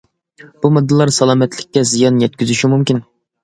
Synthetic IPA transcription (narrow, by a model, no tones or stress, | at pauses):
b̥umɨd̪ːɨlˠɑɾsɑlˠɑːmɛt̪lɪk̚ʲːɛzijɑnjɛt̪̚kʲyzyʃimumkʲin